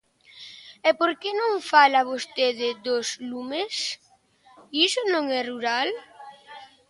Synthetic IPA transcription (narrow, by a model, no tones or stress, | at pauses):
ɛpoɾkenõŋfalaβost̪eðɪðoslumes | isʊnõŋɛruɾal